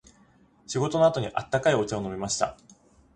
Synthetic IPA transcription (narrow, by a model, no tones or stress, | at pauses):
ɕiɡo̞t̪o̞no̞at̪o̞ɲ̟iʔat̪ːakaio̞t͡ɕaono̞mʲimaɕi̥t̪a̰